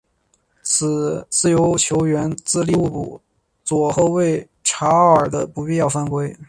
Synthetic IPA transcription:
t͡sʰɹ̩˨˩t͡sɹ̩˥˩jo˧˥ʊt͡ɕʰjo˧˥ʊɥɛ˧˥nt͡sɹ̩˥˧li˥˧u˥˧pṵ˨˩ | t͡swɔ˨˩xo˥˧ʊwe˥˩ɪ | ʈ͡ʂʰa˧˥ə˞˨˩d̪ə˦pu˧˥pi˥˧jɑ˥˩ʊfa˥nkwe˥ɪ

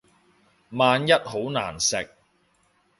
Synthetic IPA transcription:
maː˧njɐ˥t̚ho˨˥wna̰ː˨˩nsɪ˨k̚

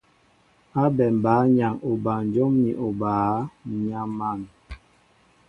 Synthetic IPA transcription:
a˦bɛ˨m˨baː˨˦ɲa˨ŋo˨ba˨n˨d͡ʒo˦mni˨ʔo˨baː˨˦ɲa˦ma˦˨ŋ

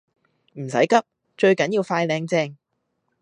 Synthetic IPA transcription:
m̩˨˩sɐ˨˥jkɐ˥p̚ | t͡ʃɵ˧ɥkɐ˨˥njiː˧wfaː˧jlɛː˧ŋt͡sɛː˧ŋ

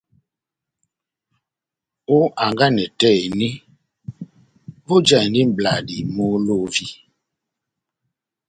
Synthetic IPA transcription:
o˦a˨ŋɡa˦nɛ˨tɛ˦˨ni˦ | vo˦d͡ʒa˦˨n˦di˦m˨bla˨di˨mo˦lo˦vi˦

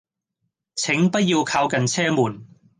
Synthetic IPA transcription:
t͡sʰɪ˨˥ŋpɐ˥t̚jiː˧wkʰaː˧wkɐ˨nt͡sʰɛː˥muː˨˩n

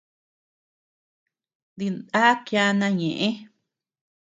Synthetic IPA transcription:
nd̪i˧nd̪a˦kja˦nã˧ɲẽ˨ʔẽ˦

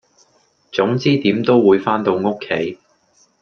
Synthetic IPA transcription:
t͡sʊ˨˥ŋt͡siː˥t̪iː˨˥mt̪o˥wwuː˨˧jfaː˥nt̪o˧wŋʊ˥kʰːe˨˥j

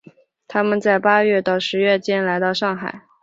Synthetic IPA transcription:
t̪ʰa˥mə˨nt͡sa˥˩ɪpa˥ɥɛ˥˧t̪ɑ˥˩ʊʂɻ̩˧˥ɥɛ˥˩t͡ɕjɛ˥nla˧˥ɪt̪ɑ˥˧ʊʂɑ˥˩ŋxa̰˨˩˦ɪ

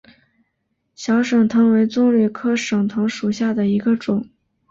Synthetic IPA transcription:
ɕjɑ˧˥ʊʂɤ˨˩ŋt̪ʰɤ˧˥ŋwe˧˥ɪt͡sʊ˥ŋly˨˩kʰɤ˥ʂɤ˨˩ŋt̪ʰɤ˧˥ŋʂu˨˩ɕja˥˩d̪ə˩i˧˥ɡə˧ʈ͡ʂʊ˨˩˦ŋ

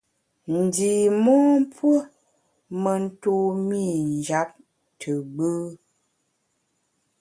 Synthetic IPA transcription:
n̩˨di˨mɔː˦m˦p͡fwə˦ | mə˨n̩˦to˦mi˦˨n˨d͡ʒa˦p̚ | tʰə˨ɡ͡bə˦

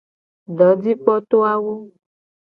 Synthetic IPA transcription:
ɖɔ˨˦di˦k͡pɔ˦t̪o˦a˦wo˦

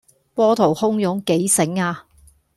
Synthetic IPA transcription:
pɔː˥t̪ʰo˨˩whʊ˥ŋjʊ˨˥ŋke˨˥jsɪ˨˥ŋaː˧

